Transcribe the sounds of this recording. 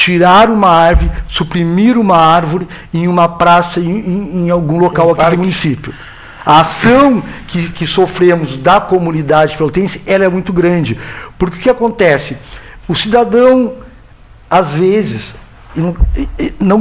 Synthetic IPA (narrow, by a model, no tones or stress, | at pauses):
t͡ʃiɾaɾũmɐaɾvoɾɪsupɾimiɾũmɐaɾvoɾɪ | ẽj̃ũmɐpɾasɐẽẽẽj̃awɡũlokawɐkid̪ʊmũnisipjʊ | ɐasɐ̃w̃kɪkɪsofɾẽmʊzd̪ɐkomũnid̪ad͡ʒɪpelot̪ẽsɐɛlɐɛmũj̃t̪ʊɡɾɐ̃d͡ʒɪpʊɾkɪʊkɪakõnt̪ɛsɪʊsid̪ad̪ɐ̃w̃ | azvezɪs | n | nɐ̃w̃